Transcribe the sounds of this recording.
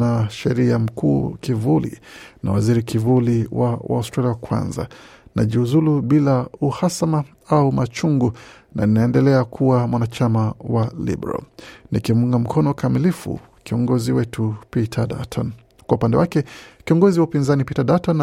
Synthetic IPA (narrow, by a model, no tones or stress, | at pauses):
aʃɛɾiam̩kʰuːkivulḭna̰waziɾikivuliwawa̰ustɾaliawakwa̰nza̰nʔa̰ʄiuzuluɓilauhasama | aumat͡ʃuŋɡu | naninaɛndɛlɛakʰuwamwanat͡ʃamawalḭbɾa̰nikimuŋɡam̩kʰɔnɔkamilifṵ | kiɔŋɡɔziwɛtʰupitʰada̰tʰɔn | kwaupandɛwakɛkiɔŋɡɔziwaupinzanipitadatɔn